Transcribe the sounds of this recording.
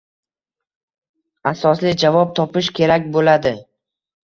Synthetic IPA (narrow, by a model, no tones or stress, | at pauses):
asɒslɪd͡ʒavɒp̚t̪ʰɒpɪʃkʲʰe̞ɾakʲbolad̪ɪ